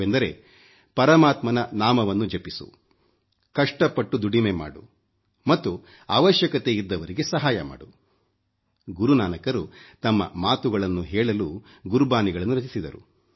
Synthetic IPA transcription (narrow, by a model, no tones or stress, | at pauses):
end̪ɐɾe̞ | pɐɾɐmaːt̪mɐnɐnaːmɐʋɐnːud͡ʒɐpisṵ | kɐʂʈɐpːɐʈːud̪uɽimema̰ːɽṵ | mɐt̪ːu | a̰ːʋɐʃjɐkɐt̪e̞id̪ːɐʋɐɾiɡe̞sɐɦaːjɐma̰ːɽu | ɡuɾunaːnɐkɐɾut̪ɐmːɐ̰maːt̪uɡɐɭɐnːuɦɛːɭɐlu | ɡuɾubaːniɡɐɭɐnːuɾɐt͡ʃisid̪ɐɾṵ